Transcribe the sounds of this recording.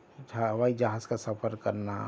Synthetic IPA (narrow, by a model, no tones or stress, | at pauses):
t͡ʃʰaɦɐʋaid͡ʒaɦaːzkasəpʰəɾkəɾna̰